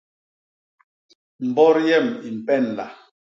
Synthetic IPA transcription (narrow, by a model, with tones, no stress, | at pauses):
m̩˨bɔ˦ɾjɛ˦˨mi˨m̩˨pɛ˦˨n˨la̰˨